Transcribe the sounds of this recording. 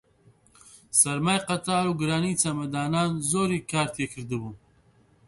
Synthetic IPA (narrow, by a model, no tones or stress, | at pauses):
sɐɾmaːjqat̪ɑːɾuɡɾaːnit͡samɐd̪ɑːnɑːnzoːɾikɑːɾt̪ʰekʰəɾd̪əbu